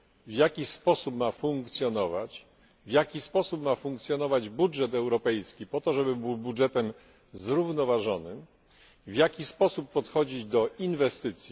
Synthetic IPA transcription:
vʲjakʲispɔsupmafuŋkt̪sʲjɔnɔva̰t͡ɕ | vʲjakʲispɔsupmafuŋk̚t̪sʲjɔnɔvad͡ʑbudʐɛt̪ɛwɾɔpɛjskʲipɔt̪ɔʐɛbɘbuwbudʐɛt̪ɛm | zɾuvnɔvaʐɔnɘm | vʲjakʲispɔsupːɔt̪xɔd͡ʑid͡ʑd̪ɔʔinvɛst̪ɘt̪sʲji

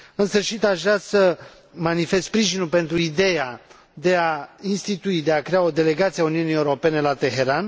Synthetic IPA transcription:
ɨnsɨrʃit̪aʒasə | manife̞spɾiʒinulpe̞nt̪ɾuid̪e̞ja | d̪e̞ainst̪it̪uid̪e̞akɾe̞ao̞d̪e̞le̞ɡat̪siauniunie̞uɾo̞pe̞ne̞lat̪e̞ɦe̞ɾan

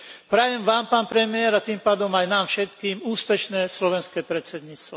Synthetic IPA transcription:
pɾajɛmʋaːmpaːnpɾɛmɪɛɾat̪iːmpaːd̪ɔmajnaːmfʃɛt̪kiːmuːspɛʃnɛːslɔʋɛnskɛːpɾɛt͡sɛd̪ɲiːt͡st̪ʋa

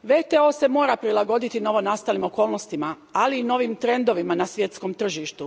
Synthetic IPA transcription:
ʋet̪eo̞ːse̞mo̞ːɾapɾilˠaɡo̞d̪it̪ino̞ʋo̞nast̪alimo̞ko̞ːlˠno̞st̪ima | aliːno̞ʋimt̪ɾe̞nd̪o̞ʋimanasʋje̞t̪sko̞mt̪r̩ʒiːʃt̪u

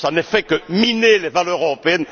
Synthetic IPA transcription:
sanəfɛkəminelevalœʁøʁɔpeɛn

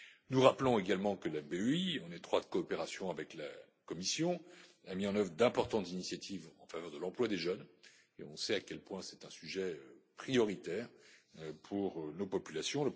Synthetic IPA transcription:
nuʁaplɔ̃eɡalmɑ̃kəlabeøiɑ̃net̪χwat̪kɔːpeʁasjɔ̃avɛkla | kɔmisjɔ̃ | amiɑ̃nœvʁəd̪ɛ̃pɔʁt̪ɑ̃t̪zinisjat̪ʰivɑ̃favœʁd̪əlɑ̃plwad̪eʒœn | eɔ̃sɛakʲɛlpwɛ̃sɛ̥t̪ɛ̃syʒɛøpχijɔʁit̪ɛːʁ | pʰuʁønopɔpylasjɔ̃lə

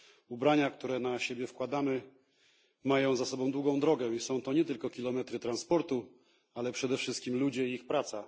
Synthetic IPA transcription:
ubɾaɲak̚t̪uɾɛnaɕebʲjɛfkwad̪amɘ | majɔ̃w̃zasɔbɔ̃w̃d̪wuɡɔ̃w̃d̪ɾɔɡɛisɔ̃w̃t̪ɔɲɛt̪ɘlkɔkʲilɔmɛt̪ɾɘt̪ɾanspɔɾt̪u | alɛpʂɛd̪ɛfʂɘst̪kʲimlud͡ʑɛiixpɾat̪sa

